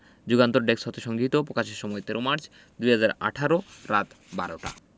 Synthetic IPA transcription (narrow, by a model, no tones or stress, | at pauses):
d͡ʑuɡant̪oɾɖeksɔt̪eʃɔŋɡʱit̪opɾokaʃeɾʃɔmɔet̪eɾomaɾt͡ɕʰ | d̪ujɦad͡ʑaɾa̰ʈʰaɾoɾat̪ | ba̰ɾoʈa̰